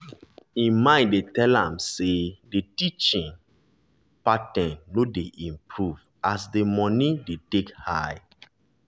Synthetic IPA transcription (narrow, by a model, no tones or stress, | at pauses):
ĩmãɪ̃ndetɛlãmsedetit͡ʃĩŋ | patɛ̃nːodeʔĩmpʰɹuv | asdemɔ̃nidetekhaɪ